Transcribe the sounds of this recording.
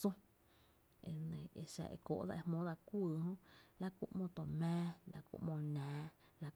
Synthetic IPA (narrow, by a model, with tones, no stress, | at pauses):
sũ˦ | e˨nẽ˨e˧ʃa̰˧ʔḛ˧˨ko̰˨ʔd̪a̰˦˧ʔe˧hmõ˦d̪a˧kʷɨː˦˨ɦõ˦la˦kṵ˦ʔmõ˧t̪o˨mɛ̃ː˦la˧kṵ˧˦ʔmõ˧nãː˨˦ | la˦